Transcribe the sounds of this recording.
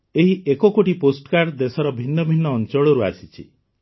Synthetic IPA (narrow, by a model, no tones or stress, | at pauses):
eɦiʔekɔkoʈiposʈkaɾɖd̪esɔɾɔbʱinːɔbʱinːɔːnt͡ʃɔɭɔɾua̰sit͡ʃʰḭ